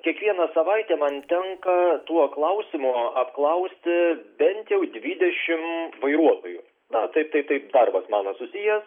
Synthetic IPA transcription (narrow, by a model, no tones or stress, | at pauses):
kʲiɛkʋʲiɛnɐsɐʋɐɪt̪ʲɛmɐnt̪ʲɛŋkɐt̪uɔklˠɐʊsʲɪmʊɐpklˠɐʊsʲt̪ʲɪbʲɛnʲt̪ʲjɛʊd̪ʲʋʲiːd̪ʲɛʃʲɪmʋɐɪɾuɔt̪oːjʊ | nɐt̪ɐɪp̚t̪ɐɪp̚t̪ɐɪpd̪ɐrbɐsmɑːnɐsʊsʲijɛs